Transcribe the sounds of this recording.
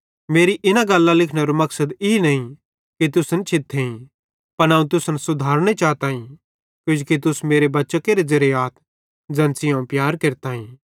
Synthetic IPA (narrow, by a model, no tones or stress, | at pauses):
meːɾiʔɪnaɡɐlːalɪkʰɽ̃eɾumɐksəd̪ɪnɐĩ | kit̪̬ʊsnt͡ʃʰɪt̪ʰːeĩ | pɐnaːũt̪̬ʊsnsʊd̪ʱaːɾñet͡ʃaːt̪aːĩ | kjʊ̃d͡ʒkit̪̬ʊsmeːɾebɐtːʃəkeɾezɐɾejaːt̪ʰ | d͡zɛ̃ːnsɪjõpjaːɾkeːɾt̪aːɦĩː